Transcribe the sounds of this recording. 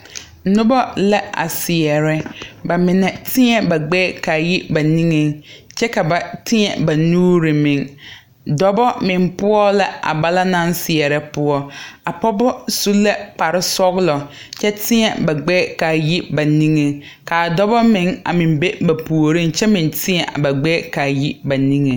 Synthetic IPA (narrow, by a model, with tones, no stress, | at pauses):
nʊ̃˦bɔ˦lɛ˦a̰˨sɪ˨ɛ˨ɾɛ˦ba˨mɪ̃˨nɛ̃˨tʰɪ̃˦ɛ˨ba˨ɡ͡bɛː˦kʰa˨ji˦ba˨nĩ˦ŋɛ̃˦t͡ɕʰɛ˦ka˨ba˨tʰɪ̃˦ɛ̰˨ba˨nũː˦ɾɪ˨mɪ̃˨n | dɔ˦bɔ˦mɪ̃˨m˦pʊ˦ɔ˦lɛ˦a̰˨ba˦la˦nã˦nsɪ˨ɛ˨ɾɛ˦pʊ˦ɔ˦a˨pɔ˦bʊ˦su˦lːa˦k͡pa˨ɾɪ˦sɔ˦ɣlɔ˨ | t͡ʃʰɛ˦tʰɪ̃˦ɛ˨ba˨ɡ͡bɛː˦ka˨ji˦ba˨nĩ˦ŋe˨ | ka˨dɔ˦bɔ˦mɪ̃˨˦ŋa̰˨mɪ̃˨m˦be˦ba˨pʰu˨o˨ɾĩ˦t͡ʃɛ˦mɪ̃˨ntʰɪ˦ɛ˨ʔa̰˨ba˨ɡ͡bɛ˦ka˨ji˦ba˨nĩ˦ŋe˨